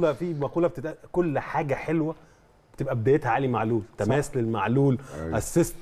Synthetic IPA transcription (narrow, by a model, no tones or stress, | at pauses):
lɑfimæquːlɑb̚t̪et̪ʔækolːħaːɡæħelwæ | be̥t̪ebʔæbed̪æjet̪hæʕaːlimaʕluːlt̪æmæːslelmaʕluːlʔæsːest̪